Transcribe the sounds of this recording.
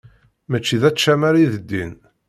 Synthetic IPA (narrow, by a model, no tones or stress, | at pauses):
mæt͡ʃːiðæʃæmæɾiðəd̪ːḭn